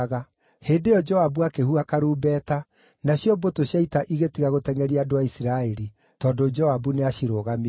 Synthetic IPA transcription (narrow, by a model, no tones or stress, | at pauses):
ɣa | heːndejɔd͡ʒɔabuakehuakaɾuːbɛːta | naɕjɔmbotoɕjaitaʔiɣetiɣaɣotɛŋɛɾiaːdoaisiɾaɛɾi | tɔːdod͡ʒɔabuneaʃiɾoɣami